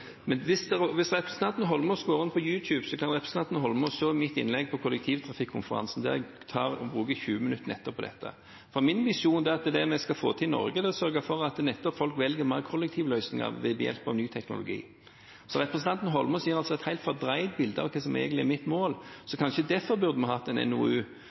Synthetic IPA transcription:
mɛnʋɪsd̪ɛʋɪsʁɛpɾəsn̩t̪ɑnt̪ən̩ɦɔlmɔsɡ̥oːɾɪnpʰɔjʉːt̪ʰjʉːbsɔkʰɑnɾʁɛpɾəsn̩ɑnt̪nɦɔlmɔʃoːmɪt̪ːɪ̰nlɛɡ̚pʰɔkʰʊlɛk̚t̪ʰiːʋt̪ʰɾɑfɪkʰːʊnfəɾɑ̰nsn̩d̪ɛ̰ɛɡ | t̪ʰɑːʁɔbɾʉːɡəçʉːəmɪnʉt̪ːən̩ɛt̪ːəpʰɔd̪ɛ̰t̪ːə̰ | fɔmɪnʋɪʃuːnd̪ɛɑt̪̚d̪ɛd̪ɛmɛskɑfo̰ːt̪ʰɪnɔ̰ɾɡəd̪ɛɔsœɾɡəfɔɾɑt̪nɛt̪ːɔpfɔlkʋɛlɡəmɑɪəkʰɔlːɛk̚t̪ʰiːʋəlœʏsnɪŋɑ̰ʁʋɛbjɛ̰lpɑ̰ʋnyːt̪ʰɛknʊ̰lʊ̰ɡḭː | sɔʁɛpʁəsn̩ʰɑnt̪ən̩ɦɔlmɔsjiːɾɑlsɔɛt̪hæɪlt̪fɔʁd̪ɾæɪt̪̚bɪld̪əɑ̰ʋkʰɛsɔmḛːɡənɪɛ̰ɾmɪt̪ːmoːlsɔkʰɑnʃəd̪ɛfɔʁbʉʁd̪əmɛhɑt̪ːɛnɛ̰nṵːʉː

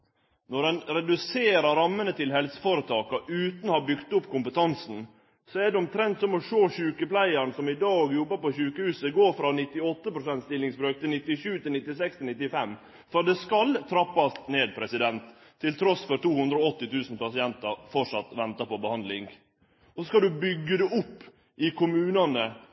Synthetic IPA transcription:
nɔɖɛnɾɛd̪ʉseːɾɑɾɾɑmːənət̪ʰɪlhɛlsə̥foɾət̪ʰɑːkɑʔʉːt̪nɔhɑbʏkt̪ʊpːkʰʊmpət̪ʰɑnsn̩ | sɔæɖɛɔmt̪ʰɾɛnt̪sɔmɔʂoːçʉːkəplæɪəɳsɔmɪd̪ɑːɡjɔbːəpɔɕʉːkəhʉːsəɡoːɾfɾɑnɪt̪ːɪɔt̪ːəpɾʊsɛnt̪st̪ɪlːɪŋsbɾøːk̚t̪ʰɪlnɪt̪ːɪʃʉːt̪ɪlnɪt̪ːɪsɛkst̪ʰɪlɪt̪ːɪfɛmː | fɔɖ̪ɛskɑlt̪ʰɾɑpːɑst̪neːd̪̚pʰɾɛsɪd̪ɛnt̪ʰː | ɪlt̪ʰɾɔsfɔɾt̪uːhʉnd̪ɾoɔt̪ːɪt̪ʰʉːsn̩pɑsɪɛnt̪ɑɾfɔʈʂɑt̪ːʋɛnt̪ɑpɔbəhɑnd̪lɪŋ | ɔsɔskɑd̪ʉbʏɡːəd̪ɛʔʊpː | ɪkʰʊmʉːnɑnə

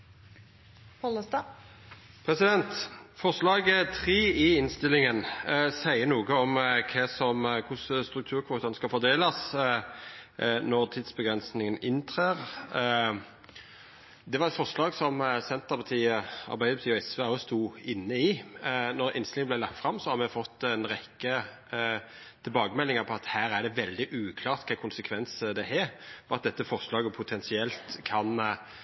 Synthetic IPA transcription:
pɔləst̪ɑ | pʰʁɛsɪd̪ɛnt̪fɔʁʂlɑːɡət̪ʰʁeːɪɪnst̪ɪlɪŋənsæɪənuːɡəɔmkʰɛsɔmkʰʊsəst̪ɾʉkt̪ʰʉːʁkʰʋoːt̪ənskɑlfɔʁd̪eːləs | nɔʁt̪ʰid̪sbəɡʁɛnsnɪŋənɪnt̪ʰʁeːʁ | d̪ɛʋɑʁɛt̪fɔʁʂlɑːɡsɔmsɛnt̪əʁpʰɑt̪ʰiːəɑ̰ɾbæɪəpɑt̪iːɔɛsʋeːɔst̪uːɪnːəɪnɔɾɪ̰nst̪lɪŋəblæɪlɑkt̪fʁɑmsɔhɑmɛfɔt̪ːɛnʁɛkːə | t̪ʰɪlbɑːɡəmɛlːɪŋəpʰɔɑt̪hæːɾæɖɛʋɛld̪ɪʔʉːkʰlɑːʁt̪kʰɑːkʰʊnsəkʰʋɛnsəd̪ɛhɛfɔɑt̪̚d̪ɛt̪ːəfɔʁʂlɑːɡəpʰʊt̪ʰɛnsɪɛlt̪kʰɑn

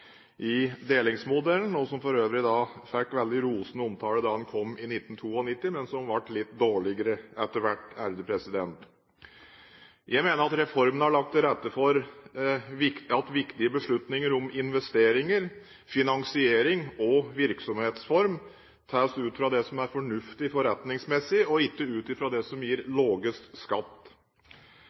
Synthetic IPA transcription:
ʔɪd̪eːlɪŋsmʊd̪ɛln̩ɔsɔmfɔɾøːʋɾɪd̪ɑːfælkʋɛld̪ɪɾuːsnəɔmt̪ʰɑːləd̪ɑːd̪ɛnkʰɔmːɪnɪt̪ːn̩t̪ʰuːɔnɪt̪ːɪmɛnsɔmʋɑʈːlɪt̪d̪oːɭɪɡəɾəɛt̪ːəɾʋæʈːæɾd̪əpʰɾɛsɪd̪ɛnt̪ | jʔæɪmeːnəɾɑt̪ɾɛfɔɾmənəhɑɭɑk̚t̪ʰɾɛt̪ːəfɔɾ | ʋɪɑt̪ʋɪkt̪ɪəbəʂɭʉt̪nɪŋəɾɔmɪnʋɛst̪eːɾɪŋəɾ | fɪnɑŋsɪeːɾɪŋɔʋɪɾksɔmheːt̪sfɔɾm | t̪ʰæːsʉːt̪fɾɑd̪ɛsɔmæɾfɔɳʉft̪ɪfɔɾɛt̪nɪŋsmɛsːɪɔɪkːəʉːt̪ɪfɾɑd̪ɛsɔmjiːɾloːɡəst̪skɑt̪ː

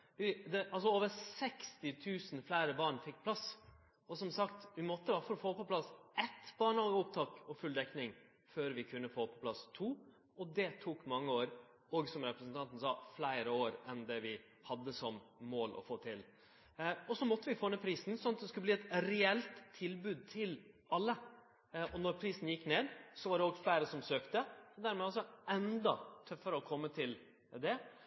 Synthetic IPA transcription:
d̪yd̪ɛʔɑls̬ɔoːʋəɾsɛkst̪ɪt̪ʰʉːsnflæɪɾəbɑːɳfɪkːpʰlɑs | ɔsɔmsɑkt̪ʋɪmɔt̪ːəhɑfɔɾɔfoːpɔpʰlɑsɛt̪b̥ɑːɳhɑːɡəʊp̚t̪ʰɑːkɔfʉld̪ɛknɪŋ | føːɾʋɪkʰʉnːəfoːpʰɔ̥pʰlɑst̪ʰuː | ɔd̪ɛt̪ʰuːkmɑŋːəoːɾ | ɔɡsɔmɾɛpɾəsn̩t̪ʰɑnt̪ən̩sɑːflæɪɾəoːɾɛnd̪ɛʋɪ | hɑd̪ːəsɔmmoːlʔɔ̰foːt̪ʰɪl | ɔsɔmɔt̪ːəʋɪfoːneːpʰɾiːsn̩sɔnːɑt̪̚d̪ɛskʉləbliːɛt̪ɾɛɛlt̪ʰːɪlbʉːd̪̚t̪ʰɪlʔɑlːə | ɔnɔɾpʰɾiːsn̩jɪkːneːd̪sɔʋɑɾɖɛoɡflæɪɾəsɔmsøːkt̪əd̪æɾmɛɑls̬ɔɛnd̪ɑt̪ʰœfːəɾəɔkʰɔmːət̪ʰɪl | d̪ɛ

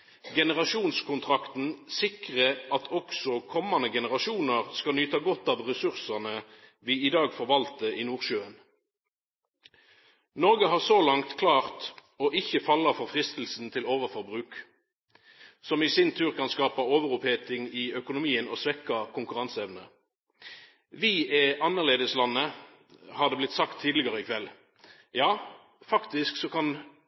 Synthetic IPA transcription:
ɡɛnəʁɑʃuːnskʰʊnt̪ʰʁɑkt̪n̩sɪkʁəʔɑt̪ʰɔksɔkʰɔmɑnəɡɛnəʁɑʃuːnəʁskɑnyːt̪ɑɡɔt̪ːɑːʋʁɛsʉʁsəʁnəʋiːɪd̪ɑːɡfɔʁʋɑlt̪əiːnuːʁʃøːən | nɔʁɡəɦɑːʁsoːlɑŋt̪kʰlɑːʁt̪ | oːʔɪçəfɑlːəʁfɔʁfʁɪst̪l̩sn̩t̪ʰɪloːʋəʁfɔʁbʁʉːk | sɔmisɪnt̪ʰʉːʁkʰɑnskɑːpɑoːʋəʁʊpheːt̪ɪŋɪœkʊnʊmiːəno̰ːsʋɛkːɑkʰʊŋkʉʁɑnsɛʋnə̰ | ʋɪɛʔɑnːəʁleːd̪əslɑnːə | hɑːd̪ɛblɪt̪sɑkt̪ʰːiːd̪lɪɡɑʁəɪkʰʋɛl | jɑː | fɑkt̪ɪsksɔkɑn

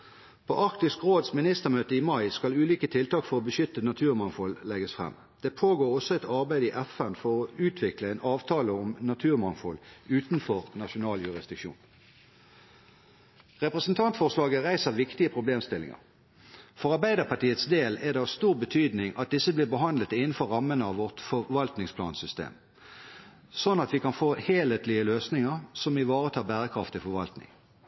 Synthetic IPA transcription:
pʰo̰ːʔɑʁkt̪ɪskʁoːd̪smɪnɪst̪əʁmøːt̪əiːmɑɪskɑlʉːliːkət̪ʰɪlt̪ɑːkfɔʁɔbəʃʏt̪ənɑt̪ʰʉːʁmɑŋfɔllɛɡəsfʁɛ̰mː | d̪̥eːpʰoːɡoːʁɔsɔɛt̪ɑʁbæɪd̪iːʔɛfɛnfɔʁɔʉːt̪ʰʋɪkləeːnɑːʋt̪ʰɑːləʊmnɑt̪ʰʉːʁmɑnfɔlʉːt̪nfɔʁnɑʃʊnɑːljʉʁɪsd̪ɪkʃṵːn | ʁɛpʁɛsənt̪ʰɑnt̪fɔʁslɑːɡəʁæɪsəʋɪkt̪ɪəpʰʁʊbleːmst̪ɪlɪ̰ŋə̰ʁ | fɔʁɑɾbæɪd̪əpɑʈiːət̪sd̪eːlɛd̪ɛɑʋst̪uːʁbət̪ʰyːd̪nɪŋʔɑ̰t̪̚d̪ɪsəbliːʁbəɦɑnd̪lət̪ɪnən̩fɔʁɑmːənəɑʋʋɔʁt̪fɔʋɑlt̪nɪŋspʰlɑ̰ːnsʏst̪ḛːm | sɔnːɑt̪ʋɪkʰɑnfoːheːleːt̪lɪəløːsnɪŋəʁsɔmɪʋɑːʁət̪ʰɑːbæːʁəkʰʁɑft̪ɪfɔɾʋɑlt̪nɪ̰ŋ

